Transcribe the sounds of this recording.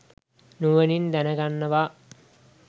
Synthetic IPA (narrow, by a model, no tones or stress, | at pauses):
nuʋənind̪ænəɡanːəʋa